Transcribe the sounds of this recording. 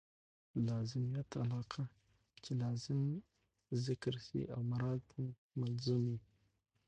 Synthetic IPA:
lazimijat̪a̰laqʰa | t͡ʃilazəm | zikəɾsḭʔawmaɾatʰn | malzumi

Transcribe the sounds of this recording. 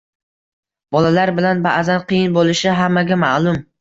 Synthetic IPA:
b̥ɒlalaɾbɪlanbaʔzanqʰɨjɪnbolˠɪʃɪɦamːaɡʲamaʔlˠʊm

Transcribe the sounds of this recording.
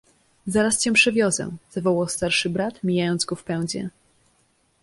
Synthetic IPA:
zaɾast͡ɕɛ̃pʂɛvʲjɔzɛ̰z̥avɔwawst̪aɾʂɘbɾat̪mʲijajɔnd̪zɡɔfpɛw̃d͡ʑɛ̰

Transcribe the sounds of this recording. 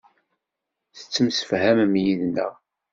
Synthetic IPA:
θə̥t͡sːəmsə̥fhæmmjiðnə̰ʁ

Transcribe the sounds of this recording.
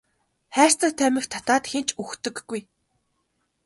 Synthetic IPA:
χæːr̥ʲt͡sə̆t̪ʰæmʲɘ̆xt̪ʰḁt̪aːt̪xent͡ɕʰuxt̪ɵ̆kɡuj

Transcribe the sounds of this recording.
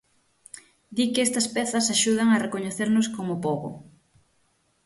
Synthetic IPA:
d̪ikɪɛst̪ɐspɛθɐsaʃuð̞ɐŋɐrekoɲeθeɾnʊskomʊpoɣʊ̰

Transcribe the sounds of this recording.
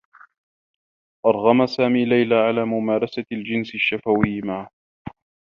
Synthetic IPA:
ʔɑɾˤɣɑmasaːmiːlajlaːʕalaːmʊmaːɾˤɑsald͡ʒɪnsʃːafawɪːmaʕ

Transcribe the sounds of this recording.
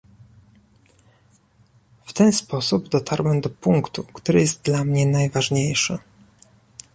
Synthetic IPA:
ft̪ɛnspɔsubd̪ɔt̪ʰaɾwɛmd̪ɔpuŋkt̪ukt̪uɾɘjɛst̪̚d̪lamɲɛnajvaʐɲejʂɘ̰

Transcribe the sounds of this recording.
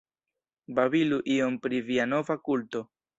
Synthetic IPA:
babiluʔio̞mpɾiviano̞vakulto̞

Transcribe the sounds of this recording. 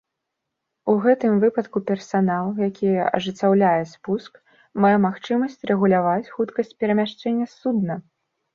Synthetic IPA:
uɣɛt̪ɨmvɨpɐt̪kupʲɛrsanalˠjakʲijɐʔɐ̰ʐɨt͡sʲːawlʲajɛspusk | majɛmaxt͡ʂɨmɐsʲt͡sʲrɛɣulʲavat͡sʲxut̪kɐsʲt͡sʲpʲɛɾɐmʲaʂt͡ʂɛnʲːɐsud̪nɐ

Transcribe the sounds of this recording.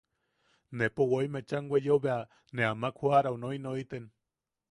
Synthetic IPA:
nepowoimet͡ʃaŋwʷejoβea | neamakʰuaɾaonoinoit̪en

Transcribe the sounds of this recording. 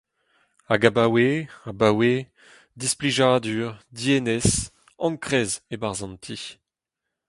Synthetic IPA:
aɡabaweabawe | d̪ispliʒaːd̪yːʁd̪ienɛs | ɑ̃ŋkχɛːzebaʁzɑ̃nt̪ʰi

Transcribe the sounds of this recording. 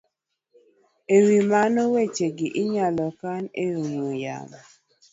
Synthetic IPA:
ewimanowet͡ʃeɡiʔɪɲalɔkaneoŋoja̰ma

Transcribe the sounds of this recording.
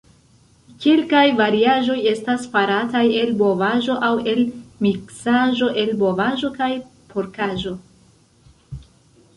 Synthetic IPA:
kelkajvaɾiaʒo̞je̞staspaɾataje̞lbo̞vaʒo̞ʔawe̞lmiksaʒo̞ʔe̞lbo̞vaʒo̞kajpʰo̞ɾkaʒo̞

